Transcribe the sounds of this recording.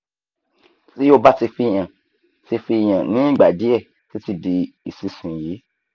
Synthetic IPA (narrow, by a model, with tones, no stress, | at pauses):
ti˦jo˦ba˦ti˧fi˧˨j̃ã˨ | ti˧fi˧˨j̃ã˨nĩ˨˦i˦˨ɡ͡ba˨di˨˦ɛ˦˨ | ti˦ti˧di˧i˨si˨˧sũ˨ji˨˦